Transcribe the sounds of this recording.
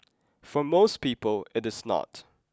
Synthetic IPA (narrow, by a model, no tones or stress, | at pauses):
fɔmoʊspiːpəlˠɪɾɪznɔ̰t